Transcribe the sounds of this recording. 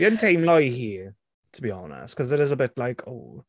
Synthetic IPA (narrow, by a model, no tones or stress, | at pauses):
ə̃ntʰẽɪ̃mlɔɪhiə | tʰəbiɒnə̰stkʰɒzɪɾɪzəbɪtlaɪkʰo̰ʊ